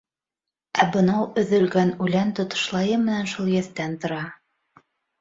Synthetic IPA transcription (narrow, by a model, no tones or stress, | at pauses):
æbɤ̆nɑwɵ̆ðɵ̆lɡænʉlænt̪ŏt̪ŏ̥ʃlˠɑjɤmɘ̆nænʃulˠjæθt̪ænt̪ŏɾɑ